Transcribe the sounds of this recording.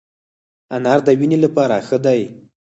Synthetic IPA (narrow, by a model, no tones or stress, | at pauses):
anaɾd̪əwinelapɑɾaxəd̪aj